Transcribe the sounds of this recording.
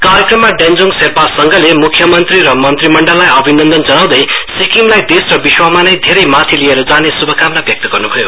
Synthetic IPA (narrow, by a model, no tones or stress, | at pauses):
kaɾjʌkrʌmːaɖend͡zoŋɡserpasʌŋɡʌlemukʰːjʌmʌnt̪riɾʌmʌnt̪rimʌɳɖʌlːajʌbʱinʌnd̪ʌnd͡zʌnaw̃d̪ʌjsikimlajd̪esrʌbiswamanʌjd̪ʱeɾʌjmat̪ʰilieɾʌd͡zanesubʱʌkamlabjʌk̚t̪ʌɡʌrnubʱʌjo